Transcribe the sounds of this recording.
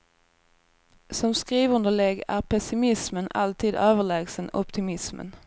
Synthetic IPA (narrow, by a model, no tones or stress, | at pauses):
sɔmskɾiːvɵnd̪əɭɛɡæ̰ɾpʰɛsɪmɪsməna̰lt̪ʰiːd̪øːvəɭɛːɡsənʔɔpt̪ʰɪmɪsmə̰n